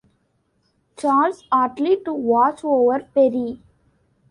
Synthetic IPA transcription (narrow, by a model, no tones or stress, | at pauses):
t͡ʃaːlsaːʈliʈuʋɔːt͡ʃoːʋəɾpɛɾi